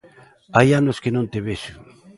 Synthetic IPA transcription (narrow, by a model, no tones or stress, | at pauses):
ajanoskenõnt̪eβeʃʊ